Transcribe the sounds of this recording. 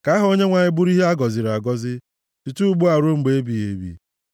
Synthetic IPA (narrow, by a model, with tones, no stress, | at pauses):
ka˨˦ɦʊ˦o˦ɲe˦ŋʷa˨ɲɪ˦bʊ˦ɾi˦ɦe˦a˦ɡɔ˨zɪ˨ɾa˨ɡɔ˦zɪ˦ | ti˨tu˦ɡ͡bu˦a˨ɾo˦ŋ͡m̩˨ɡ͡be˨˦e˦bi˨e˨˦bḭ˦